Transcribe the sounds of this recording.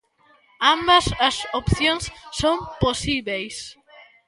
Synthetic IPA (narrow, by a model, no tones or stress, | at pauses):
ambɐsɐsopθjoŋsːomposiβejs